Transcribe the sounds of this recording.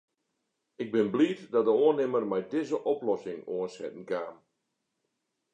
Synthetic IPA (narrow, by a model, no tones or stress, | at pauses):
ɪɡ̚bɪnbliːtdɔdəoənɪmərmɛjdɪzəʔɔplɔsɪŋoənsɛ̰tn̩kaːm